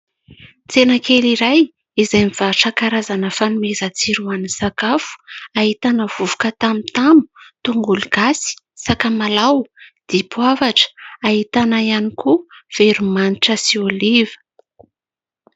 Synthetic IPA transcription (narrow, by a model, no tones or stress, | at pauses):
t͡senəkeliɾaj | izajmifaʈ͡ʂakaɾazanəfanumezət͡siɾuanisakafu̥aɦit̪anəv̥uvu̥kət̪amit̪amu̥t̪uŋɡuluɡ̥asi̥ | sakamalawd̪̥ipwavaʈ͡ʂə̥aɦit̪anaijanikuv̥eɾumaniʈ͡ʂəsiolivə̥